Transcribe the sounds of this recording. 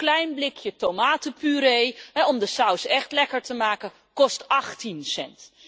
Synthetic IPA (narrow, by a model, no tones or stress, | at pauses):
klɛjnblɪkjətowmaːtəpyɾejɦɛɔmdəsawsɛχtlɛkəɹtəmaːkə | kɔstɑχtinsɛ̰nt